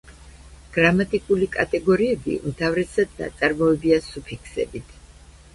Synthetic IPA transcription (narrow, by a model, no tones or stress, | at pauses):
ɡ̥ɾamat̪ʼikʼulikʼat̪ʼɛɡɔɾiɛbḭṵmt̪ʰavɾɛsad̪̚na̰t̪sʼaɾmɔɛbiasupʰikʰsɛ̰bit̪ʰ